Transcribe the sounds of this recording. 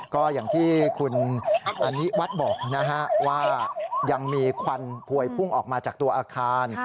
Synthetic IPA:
kɔː˥˩jaː˨˩ŋt̪ʰiː˥˩kʰu˧nʔa˧nːi˦˥wa˦˥t̪̚bɔː˨˩k̚na˦˥kʰa˦˥ʔwaː˥˩ja˧ŋmiː˧kʰwa˧npʰu˧˩əjpʰu˥˩ŋʔɔː˨˩k̚maː˧t͡ɕaː˨˩k̚t̪u˧ɐʔaː˧kʰaː˧n

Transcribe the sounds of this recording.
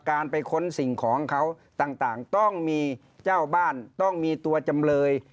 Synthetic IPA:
kaː˧npa˧jkʰo˧˥nsi˨˩ŋkʰɔː˩˦ŋkʰa˦˥w | t̪aː˨˩ŋt̪aː˨˩ŋt̪ɔ˥˩ŋmiː˧ | t͡ɕaː˥˩wbaː˥˩nt̪ɔ˥˩ŋmiː˧t̪u˧ɐt͡ɕa˧mlɤː˧j

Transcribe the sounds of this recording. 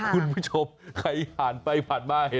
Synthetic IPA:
kʰu˧npʰuː˥˩t͡ɕʰo˧mkʰa˧˦jhaː˩˦npa˧jpʰa˨˩t̪̚maː˥˩ka˨˦

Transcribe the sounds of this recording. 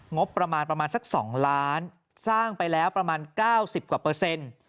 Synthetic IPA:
ŋo˦˥pːɾa˧maː˧npɾa˧maː˧nsa˧˩k̚sɔ̰ː˩˦ŋlaː˦˥n | saː˥˩ŋpa˧jlɛː˦˥wpɾa˧maː˧nkaː˥˩wsi˨˩p̚kwaː˨˩pɤː˧se˧n

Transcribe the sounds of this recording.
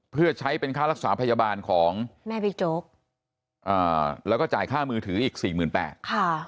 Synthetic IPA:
pʰɯ˥˩ɐt͡ɕʰa˦˥jpe˧nkʰaː˥˩ɾa˦˥k̚saː˩˦pʰa˧jaː˧baː˧nkʰɔː˩˦ŋmɛː˥˩bi˧t͡ɕoː˦˥k̚ | ʔaː˨˩lɛ˦˥wkɔː˥˩t͡ɕaː˨˩jkʰaː˥˩mɯː˧t̪ʰɯː˩˦ʔiː˨˩k̚siː˨˩mɯː˨˩npɛ̰ː˨˩t̪̚kʰa˥˩

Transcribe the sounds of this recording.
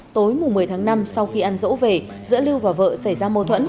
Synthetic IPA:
t̪o˨˦jmʊ˨˩ŋ͡mmːɨ˨˩əjt̪ʰaː˨˦ŋna˧msa˧wxi˧ʔa˧nzo̰˧˥ve˨˩ | zɨ̰˧˥li˧əwvaː˨˩wvə̰ː˧˨sa˧˩jzaː˧mə˧t̪ʰwə̰˧˥n

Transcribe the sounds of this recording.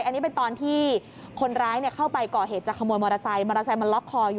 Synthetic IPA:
jʔa˧nːiː˦˥pe˧nt̪ɔː˧nt̪ʰiː˥˩ | kʰo˧nɾaː˦˥jni˥˩ɐkʰa˥˩wpa˧jkɔː˨˩ɦeː˨˩t̪̚t͡ɕa˨˩kʰa˧muː˧jmɔː˧ɾa˧sa˧jmɔː˧ɾa˧sa˧jma˧nlɔ˦˥kʰːɔː˧juː˨

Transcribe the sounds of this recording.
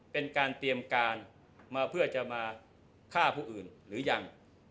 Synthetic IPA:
pe˧nkaː˧nt̪i˧əmkaː˧n | maː˧pʰɯ˥˩ɐt͡ɕa˨˩maː˧ | kʰaː˥˩pʰuː˥˩ʔɯː˨˩nɾɯː˩˦ja˧ŋ

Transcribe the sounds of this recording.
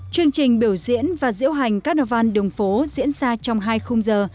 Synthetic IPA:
t͡ɕɨ˧əŋt͡ɕï˨˩ŋ̟ɓi˧˩əwzḭ˧˥ənvaː˨˩zɨ̰˧˥əwɦa˨˩jŋ̟kaː˦˥k̚nɔ˧˩va˧nɗɨ˨˩əŋfo˨˦zḭ˧˥ənzaː˧t͡ɕɔ˧wŋ͡mɦaː˧jxʊ˧ŋ͡mzəː˨˩

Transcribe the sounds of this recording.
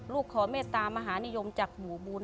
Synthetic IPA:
luː˥˩kʰːɔː˨˦meː˥˩t̪ːaː˧maː˧ɦaː˩˦ni˦˥˨jo˧mt͡ɕaː˨˩k̚buː˨˩buː˧n

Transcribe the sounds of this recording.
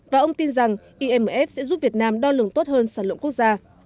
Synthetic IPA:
vaː˨˩ʔə˧wŋ͡mt̪i˧nza˨˩ŋʔi˧ʔɛ˧mː˨˩ʔɛ˦˥p̚sɛ̰˧˥zu˦˥t̚vi˨˩ət̚naː˧mɗɔ˧lɨ˨˩əŋt̪o˦˥t̚həː˧nsaː˧˩lwə̰˧˨nku˦˥ək̚zaː˧

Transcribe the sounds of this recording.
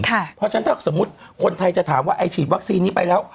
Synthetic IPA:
kʰa˧˩pʰɔ˦˥t͡ɕʰa˦˥nt̪ʰaː˥˩so˩˦mːu˦˥t̪̚kʰo˧nt̪ʰa˧jt͡ɕa˨˩t̪ʰaː˩˦mwaː˥˩ʔa˧jt͡ɕʰiː˨˩t̪̚wa˦˥k̚siː˧nːiː˦˥pa˧jlɛː˦˥w

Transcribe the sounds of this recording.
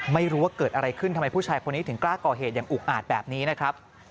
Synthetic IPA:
ma˥˩jɾu˦˥wa˥˩kɤː˨˩t̪̚ʔa˧ɾa˧jkʰɯ˥˩nʰa˧ma˧jpʰu˥˩t͡ɕʰaː˧jkʰo˧nːiː˦˥t̪ʰɯ˩˦ŋklaː˥˩kɔː˨˩ɦeː˨˩t̪̚jaː˨˩ŋʔuː˨˩k̚ʔaː˨˩t̪̚bɛː˨˩p̚niː˦˥na˦˥kʰɾa˦˥p̚

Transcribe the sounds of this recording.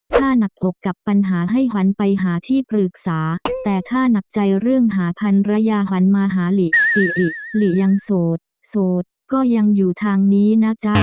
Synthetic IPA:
t̪ʰaː˥˩na˨˩k̚ʔo˨˩kːa˨˩pːa˧nɦaː˩˦ɦa˥˩jɦa˨˦˥npa˧jɦaː˩˦t̪ʰiː˥˩pɾɯː˨˩k̚saː˩˦t̪ɛː˨˩t̪ʰaː˥˩na˨˩k̚t͡ɕa˧jɾɯ˥˩əŋɦaː˩˦pʰa˧nɾa˧˥jaː˧ɦa˨˦˥nmaː˧ɦaː˩˦li˨˩si˨˩ʔi˨˩li˨˩ja˧ŋsoː˨˩t̪̚ | soː˨˩t̪̚kɔː˥˩ja˧ŋjuː˨˩t̪ʰaː˧ŋniː˦˥na˦˥t͡ɕʰa˦˥

